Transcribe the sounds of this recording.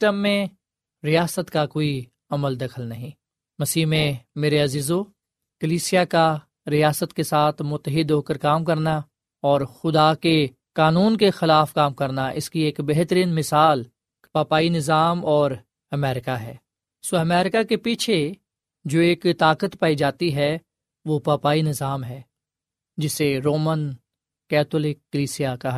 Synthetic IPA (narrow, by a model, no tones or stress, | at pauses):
ʈəmːẽ | ɾijaːsət̪kakoːi | ɐməld̪ɐkʰəlnɐɦĩː | mɐsiːɦmẽmeːɾeɐziːzo | kɐliːsijaka | ɾijaːsət̪kesaːt̪ʰmʊt̪ːəɦɪd̪ɦoːkəɾkaːmkɐɾna | ɔːɾxʊd̪ake | kaːnuːnkexɪlaːfkaːmkɐɾnaʔɪ̰skieːkbɛɦt̪əɾiːnmɪsaːl | paːpaːinɪzaːmɔːɾ | ɐmɛːɾɪkaɦɛ̰ː | soɐmɛːɾɪkakepiːt͡ʃʰe | d͡ʒoːeːkt̪aːkət̪paːid͡ʒaːt̪iɦɛ | ʋopaːpaːinɪzaːmɦɛː | d͡ʒɪseɾoːmən | kɛːt̪ʰʊlekːəliːsijaka